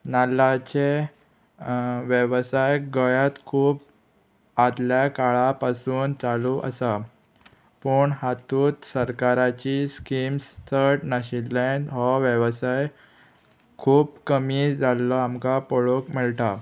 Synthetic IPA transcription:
nalat͡ɕe | ʋjeʋsajɡəjat̪kʰuːp | ad̪ljakaɭapasuːnt͡saluʔə̰sa | pəɳɦat̪uːt̪səɾkaɾat͡ɕiskimst̪ʰəɾʈnaɕilːeɳɖɦɔʋjəʋsaj | kʰuːbkəmid͡zalːɔamkapɔɭokmiɭʈa

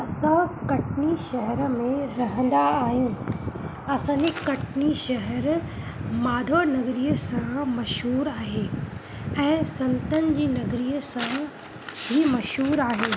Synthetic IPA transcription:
ɐsãkɐʈniʃɐɦɛɾəmẽɾɐɦə̃n̆d̪aːɦinɪ̆ | ɐsãːɲd͡ʑekɐʈniʃɐɦəɾ | maːd̪ʱonɐɣɾiːəsãmɐʃɦuːɾaːɦeː | ɛ̃ːsɐ̃nt̪ənɪ̆d͡ʑiːnɐɣɾiːəsã | bʱimɐʃɦuːɾaːɦe

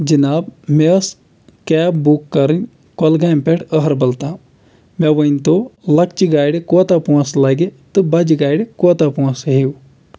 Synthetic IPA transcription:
d͡ʒinaːbmes | kɛːbbukːɐɾɨnʲ | kolɡaːmpeʈʰəɦɐɾbɐlt̪ãː | meʋəinʲt̪olɐkt͡ʃiɡaːjɽekoːt̪apuɐ̃slɐɡet̪ɨbɐd͡ʒiɡaːjɽekoːt̪apuɐsɦiu

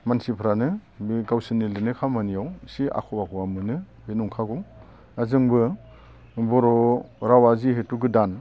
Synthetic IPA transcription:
mansipʰɾanɯbɡawsɯnilɯnɯkʰamanijawsia̰kʰɔbakʰɔwamɯnɯ | benuŋkʰaɡɔw | azɯŋbɯ | bɔɾɔɾawaziɦetuɡɯdan

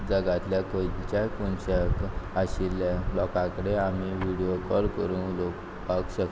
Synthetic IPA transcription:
d͡zəɡat̪ljakolt͡ɕakunɕəkaɕilalɔkãkəɽeam̤iʋiɽijokɔɾkəɾũlo | akɕək

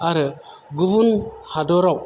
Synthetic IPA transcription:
aɾə | ɡuvunhadoɾau

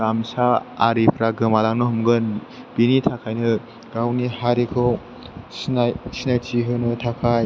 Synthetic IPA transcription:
amsaa̰ɾipʰɾaɡɯmalaŋnɯhumɡɯn | b̥initʰakʰajnɯ | ɡawnihaɾikʰɯw | sinajtʰiɦɯnɯtʰakʰaj

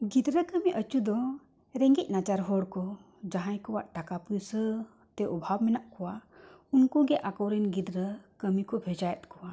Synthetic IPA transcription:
ɡid̪ɾəkəmiʔət͡ʃud̪ɔ | ɾɛŋɡic̚ˀnat͡ʃaɾɦɔɽkɔ | d͡ʒaɦajkɔwaʔʈ̪akapujsə | t̪ɛʔɔbʱawmɛnaʔkɔwaunkɔɡɛʔakɔwɾɛnɡid̪ɾəkəmikɔbʱɛd͡ʒajɛt̪̚kɔwa

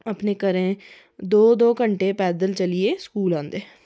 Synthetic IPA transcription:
əpnekəɾẽː | d̪oːd̪oːkəɳʈeːpɛːd̪əlt͡ʃəlɪeːskuːlãːnd̪eː

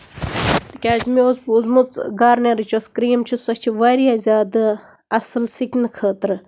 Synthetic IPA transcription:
t̪ɨkʲaːzmiozbuzmut͡sɡaːɾneɾɨt͡ʃoskɾiːmt͡ʃʰisɐt͡ʃʰiʋaːɾijaːzʲaːd̪ɨ | ɐsɨlsikʲnɨkʰəːt̪ɾɨ

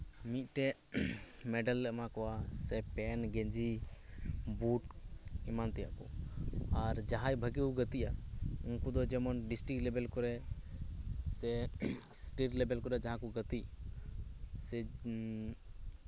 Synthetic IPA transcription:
mit̪̚ˀʈɛ | mɛɖəlːɛʔmãkɔwasɛpɛnɡɛɲd͡ʒi | buʈimant̪ɛja̰ʔkɔ̰aɾd͡ʒaɦãjbʱəɡikuɡət̪iʔa̰unkud̪ɔd͡ʒɛmɔnɖisʈɾiklɛbɛlkɔɾɛ | sɛ | sʈiʈlɛbɛlkɔɾɛd͡ʒaɦãkɔɡət̪i | sɛ

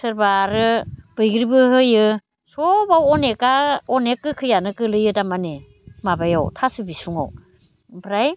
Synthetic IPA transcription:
sɯɾbaɾɯb̥ɯjɡɾibɯɦɯjɯ | sɔbawɔnekaɔnekːɯkʰɯjanɯkɯlɯjɯdamane | mabajawtʰasɯbisuŋa̰w | bɾaj

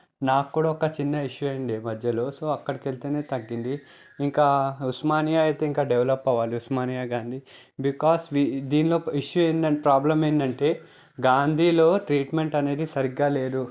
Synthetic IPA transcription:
naːkːuːɽaːɔkɐt͡ʃinːɐiʂjuɐjiɳɖimɐd̪ʱjɐlo̞ːso̞ːɐkːɐɽike̞lit̪eːneːt̪ɐɡːind̪iː | ŋkaːusmaːnijaːɐjt̪e̞ːiŋkaːɖeʋɐlɐpːɐʋaːliusmaːnijaːɡaːnd̪ʱiː | bikaːsʋid̪iːnlo̞ːiʂjueːnd̪ɐpɾaːblɐmeːnd̪ɐɳʈe̞ː | ɡaːnd̪ʱiːlo̞ːʈɾiːʈme̞ɳʈɐne̞ːd̪isɐɾiɡːaːle̞ːd̪u

